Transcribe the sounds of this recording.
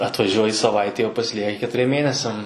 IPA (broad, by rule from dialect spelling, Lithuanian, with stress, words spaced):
ɐtʋɐˈʒʲuɔjɪ sɐˈʋɐɪtʲɛɪ oː pɐsʲɪˈlʲiɛkʲɪ kʲɛtʊˈrʲiɛm ˈmʲeːnʲɛsʲɛm